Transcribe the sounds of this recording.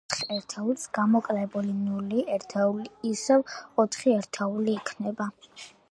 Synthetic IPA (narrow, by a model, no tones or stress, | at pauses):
t̪χɛɾt̪ʰɛusɡ̥amɔkʼlɛbulinuliɛɾt̪ʰɛuliːsɛvɔt̪ʰχiɛɾt̪ʰɛuliːkʰnɛba